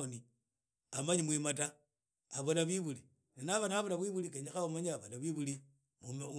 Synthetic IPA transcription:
oni | amaɲimwimata | aβonaβiβuli | ninaβanaβonaβwiβulikeɲaxaβomaɲiaβanaβwiβuli | mu

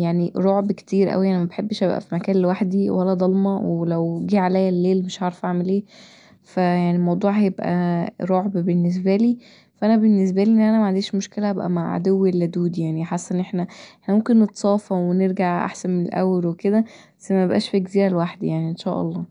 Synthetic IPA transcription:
jaʕniɾˤoʕbke̥t̪iːɾʔæ̰wijaʕnimæbeħebːʃʔæbʔæ̰fimækæːnlewaħd̪iwʔælːæd̪ˤɑlmɑwelæwɡiːʕalæjːælːeːlmeʃʕɑʕɾˤɑfʔaʕmelʔeː | fæjaʕnilmɑwd̪ˤuːʕhjebʔæ̰ɾˤoʕbbenːes̬bæliː | fæʔænæbenːes̬bæliːʔenːʔænæmæʕand̪eːʃmoʃkelæhæbʔæ̰maʕʕa̰d̪owːelːæd̪uːd̪jaʕniħasːæʔnːʔeħnæʔeħnæmomkenːet̪sˤɑːfɑweneɾɡaʕʔa̰ħsænmenelʔæ̰wːeɾweked̪æ | sæmæebʔæ̰ːʃfekziːɾælwaħd̪ijaʕniʔenʃæ̰ːʔɑ̰lˤːɑː

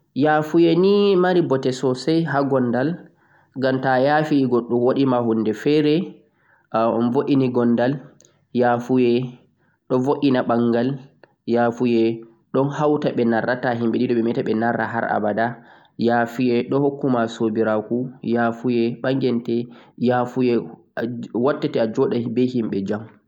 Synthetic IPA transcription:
jafujɛnimaɾibɔtɛsɔsɛjɦaɡɔnːdal | ɡamtajafiɡɔɗːumwoɗimahunːdɛfɛɾɛ | mvoʔiniɡɔndal | jaːfujɛ | ɗɔvoʔinaɓaŋɡal | jafujɛ | ɗɔnhawtaɓɛnarːataɦimɓɛɗidɔɓɛmɛtaɓɛnaɾːaɦa̰ɾa̰bada | jafijɛɗɔhokːumasobiɾakujaːfujɛɓaŋɡɛntɛjafujɛ | watːɛtɛad͡ʒɔɗabɛhimɓɛd͡ʒam

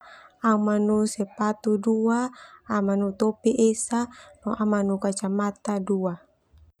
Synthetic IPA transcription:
amanusɛpat̪uduaːmanut̪opiʔesanɔʔamanukat͡ʃamat̪adua

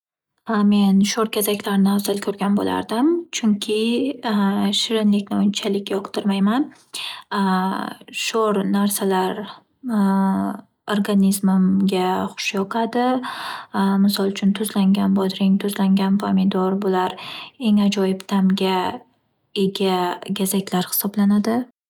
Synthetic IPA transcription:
me̞nʃoɾkʲʰezakʲlaɾnɪazɪlkʲʰɵɾɡʲanbo̰lʔa̰ɾd̪ɪmt͡ʃʰʊŋkʲʰɪ | ʃɪɾɪnlɪkʲnɪʊnt͡ʃʰalɪkʲjɒqd̪ɪɾmajman | ʃoɾnaɾsalaɾ | oɾɡanʲizmmɡʲaχʊ̥ʃjɒqʰad̪ɪ | mɪsɒlˠt͡ʃʰʊnt̪ʰʊzlaŋɡʲanbɒd̪ɾɪŋt̪ʰʊzlaŋɡʲanpʰamɪd̪ɒɾbʊlaɾe̞ŋad͡ʒɒjɪpt̪ʰamɡʲa | e̞ɡʲaɡʲazakʲʰlaɾhɪ̥sɒblanad̪ɪ

